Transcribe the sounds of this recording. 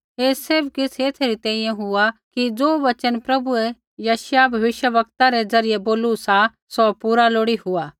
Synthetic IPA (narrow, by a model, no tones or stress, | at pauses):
eːsɪbkɪsʰeːt̪ʰɾit̪ɛ̃ːĩjɛ̃ɦʊakid͡zoːʋɐt͡ʃənpɾɐbuɛ | jaːʃjabʱɐʋɪʃjəʋɐkt̪aɾɛd͡zɐɾɪjɛboːlusa | sopuːɾaloːɽiɦʊaː